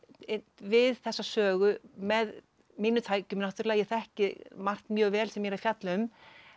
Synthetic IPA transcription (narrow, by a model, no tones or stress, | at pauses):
vɪðθɛsːasœːɣʏmɛð | miːnʏt̪ʰaːjcʏmnaht̪ʏɾlaːjaθɛhcɪmar̥t̪nmjœːɣvɛːlsɛmjɛɾafjat̪lʏm